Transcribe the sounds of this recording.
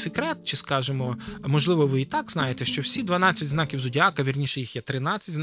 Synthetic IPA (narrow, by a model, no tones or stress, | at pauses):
sekɾɛt̪̚t͡ʃɪskɑʒemɔmɔʒlˠɪʋɔʋɪit̪ɑɡznɑjet̪ɛʃt͡ʃɔwsʲid̪ʋɐnɑt͡sʲːɐtʲznɑkʲiwzʊdʲɑkɐʋʲirnʲiʃɛjixjɛt̪ɾɪnɑt͡sʲːɐtʲzn